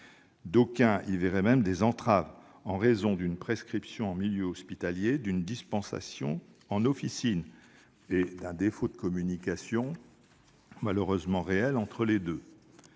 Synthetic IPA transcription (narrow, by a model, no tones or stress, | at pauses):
d̪okʲɛ̃ilvɛʁɛmɛmd̪ezɑ̃t̪χav | ɑ̃ʁezɔ̃d̪ynpχeskχipsjɔ̃ɑ̃miljøɔspit̪aljed̪ynd̪ispɑ̃sa̰sjɔ̰̃ | ɑ̃nɔfisin | ed̪ɛ̃d̪efod̪əkɔmynikasjɔ̃ | maløʁøzmɑ̃ʁeɛlɑ̃t̪χəled̪ø